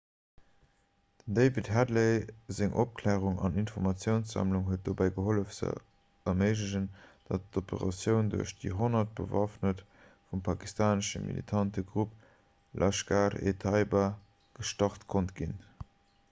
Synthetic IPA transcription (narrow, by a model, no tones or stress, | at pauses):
d̥əndeɪvithædleɪzeŋʔop̚kʰlɛːʁuŋɑ̰ninfɔʁmɑt͡sjəʊnsz̥ɑ̰mluŋɦuət̚d̥oːbæɪɡəɦoləfz̥ə̰ | ɐməɪʒləʑənd̥ɑt̚topə̰ʁɑ̰sjəʊnduɐɕd̥iɦonɐt̚b̥əvɑfnət | fumpʰɑki̥stʰaːnəʃə̰mḭlḭtʰɑntəɡʁup̚ | lʔɑʃɡaːʁḛtʰɑɪba | ɡ̥əʃtɑχtkʰontɡin